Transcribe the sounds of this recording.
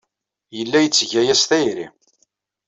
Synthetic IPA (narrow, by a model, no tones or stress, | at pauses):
jəlːæjət͡sːʝæjæsθæjɾḭ